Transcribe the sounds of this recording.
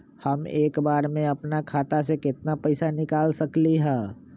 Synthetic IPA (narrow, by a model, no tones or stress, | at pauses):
hɐmeːkbaːɾmẽɐpnakʰaːt̪asekɪt̪napɐɪsanɪkaːlsɐkliɦɛ̃ː